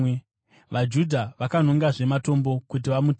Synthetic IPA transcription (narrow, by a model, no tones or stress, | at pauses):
ʋad͡ʒudʱaʋakanoŋɡaʐemato̞mbo̞kut̬iʋamutː